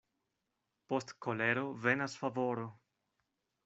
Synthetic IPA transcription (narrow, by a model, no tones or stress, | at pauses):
po̞stkoleɾove̞nasfavoɾo